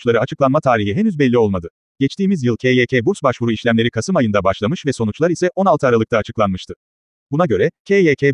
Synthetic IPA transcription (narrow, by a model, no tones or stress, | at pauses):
t͡ʃlˠaɾɯat͡ʃʰɯklˠanmat̪ʰaːɾiɦiɦenyzbɛlʲːio̞lˠmad̪ɯ | ɟ̥ɛt͡ʃt̪iːmizjɯlˠcʰeːjecʰeːbuɾsbaʃvuɾuiʃlʲæmlʲe̞ɾikʰasɯmajɯnd̪abaʃlˠamɯʃvɛso̞nut͡ʃlˠaɾisɛʔo̞nalˠtʰɯaːɾalˠɯkt̪ʰaːt͡ʃʰɯklˠanmɯʃt̪ʰɯ | b̥unaɟø̞ɾɛcʰejecʰeː